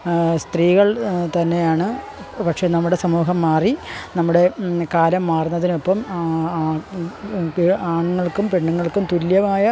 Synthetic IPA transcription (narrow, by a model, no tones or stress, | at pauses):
st̪riːɣɐɭt̪ɐnːe̞jaːɳɨ | pɐkʂe̞ːnɐmːuɽe̞sɐmuːɦɐmːaːrinɐmːuɽe̞kaːlɐmːaːrunːɐðinepːɐm | aːɳŋːɐɭkːumpe̞ɳːuŋːɐɭkumt̪uljɐmaːjɐ